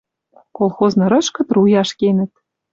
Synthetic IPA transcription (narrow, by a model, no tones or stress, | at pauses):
kolˠxoznɤ̆ɾɤ̆ʃkɤ̆t̪rujɑʃkenɘ̆t̪̚